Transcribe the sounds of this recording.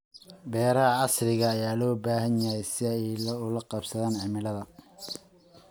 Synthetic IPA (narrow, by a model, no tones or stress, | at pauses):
bɛːɾɐɦɐɑslɪɣɐːjaːlɔːbaːɦɐnjɐɦɛjsɪɛjlʊlɐqɑbsɐðaːnʕɪmɪlɐðɐ